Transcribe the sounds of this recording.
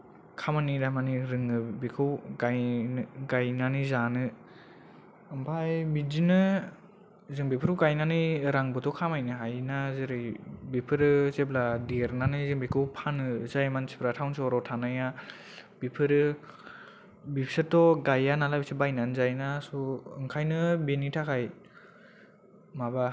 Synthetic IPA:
kʰamanidamaniɾɯŋɯbikʰɯwɡajnɡajnanizanɯ | ɯmpʰajbidinɯ | zɯŋbipʰɯɾuwɡajnaniɾaŋbɯtɔkʰamajnɯɦajnazeɾɯjbipʰɯɾɯsebladeɾnanɯzɯŋbikʰɯwpʰanɯzajmansepʰlatʰawnsɔɾɔtʰanaja | b̥ipʰɯɾɯ | bipʰsɯtɔɡajanalabisɯbajnanzajnasɔɯŋkʰajnɯbenitʰakʰaj | maba

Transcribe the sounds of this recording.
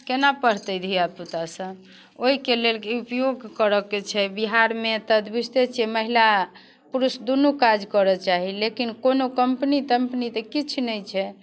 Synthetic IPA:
kenapəɽ̤t̪əjd̪ʱiab̚t̪ut̪asəb | oɦikelelkeupjoɡkəɾəkːet͡ʃʰɛbiɦaɾmet̪əd̪bist̪et͡ʃʰɛməɦila | puɾusd̪unukad͡ʒkəɾɔt͡ʃaɦilekinkonokəmpnit̪əmpnit̪ekit͡ʃʰnəjt͡ʃʰɛ

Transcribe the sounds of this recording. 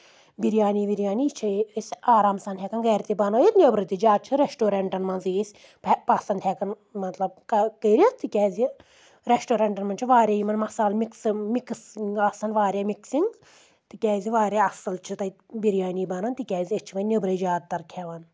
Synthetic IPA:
biɾjaːniːʋiɾjaːnit͡ʃʰɐisʲaːɾaːmsɐnt̪ʰʲɛkɐnɡɐːɾʲt̪ibɐnoːjit̪nʲebɾɨt̪id͡ʒaːt͡ʃʰɨɾeʃʈoːɾeɳʈɐnmɐnzisʲ | ppɐsɐnd̪ʰʲhɛkɐn | mɐt̪lɐb̚kɐkəːɾʲɐt̪ʰɨkʲɛːzʲi | ɾesʈoːɾeɳʈɐnmɐnt͡ʃʰiʋaːɾʲeːjimɐnmɐsaːlmiksmiksŋɡɐsɐnʋaːɾʲamiksiŋɡ | t̪ɨkʲɛːziʋaːɾʲeɐsɐlt͡ʃʰɨt̪ɐ | biɾjaːniːbɐnɐnt̪ikʲɛːzʲiet͡ʃʰiʋɐnnʲebɾɐd͡ʒaːd̪̚t̪ːɐɾkʰɛʋɐn

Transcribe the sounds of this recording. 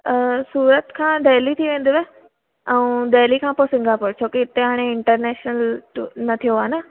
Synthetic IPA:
suːɾət̪kʰãːd̪eːlit̪ʰiʋẽːn̆d̪iʋe | ɛũd̪eːlikʰãːposɪ̃ŋɡapoːɽt͡ɕʰoːkiɪt̪eɦaːɽ̃eɪɳʈəɾnɛːʃnəlnɐt̪ʰijoaːna

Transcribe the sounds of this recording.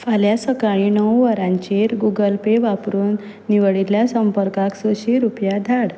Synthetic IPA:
faljasəkaɭinəwʋəɾãɲt͡ɕeɾɡuɡəlpeʋapɾuːnː | iʋəɭiljasəmpəɾkaksəɕiɾupjad̪ʱaɽ

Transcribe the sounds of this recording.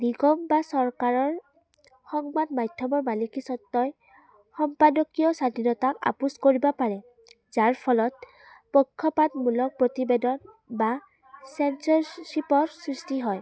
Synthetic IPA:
niɡɔmbasɔɹkaɹɔɹ | xɔŋbadmajdʱjɔmɔɹmalikisɔtːɔj | xɔmpadɔkijɔsadʱinɔtaka̰puskoɹibɔpaɹɛ | zaɹpʰɔlɔt̚ | pɔkʰːɔpatmulɔk̚pɹotibedɔn | ba | sɛnsɔɹsipɔɹsɹistiɦɔj

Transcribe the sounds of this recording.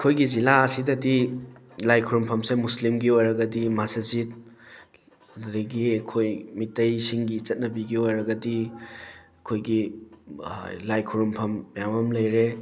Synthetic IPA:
ɐkʰojɡizilaɐsidɐdi | lajkʰuɾumpʰɐmsemuslimɡiojɾɐɡɐdimasɐzit̚ | ddiɡikʰojmitːɐjsiŋɡit͡ʃɐt̚nɐbiɡiojɾɐɡɐdi | kʰojɡḭ | lajkʰuɾumpʰɐmjamɐmlɐjɾe

